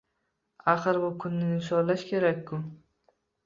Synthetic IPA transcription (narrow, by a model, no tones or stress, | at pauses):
aχɨɾbʊkʰʊnːɪɪʃɒlaʃkʲʰe̞ɾakʲʰːʊ